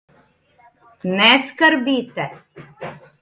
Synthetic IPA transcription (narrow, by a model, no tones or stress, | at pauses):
nɛskaɾbiːt̪ɛ